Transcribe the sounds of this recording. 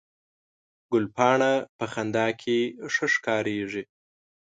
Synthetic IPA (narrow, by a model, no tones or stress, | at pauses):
ɡʊlpɑɳapəxand̪ɑkʰeʂəʂkɑɾeʐi